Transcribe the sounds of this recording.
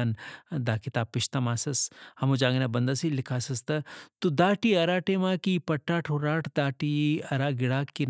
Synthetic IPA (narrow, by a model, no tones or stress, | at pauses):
and̪aːkit̪aːpːɪʃt̪ɐmaːsɐshɐmud͡ʒaːɡnɐbɐnd̪ɐsilɪkʰasɐst̪ɐt̪ud̪aːʈiɐɾaːʈemãːkipɐʈːaːʈʰoɾaːʈʰd̪aːʈiɐɾaːɡɪɽaːkːin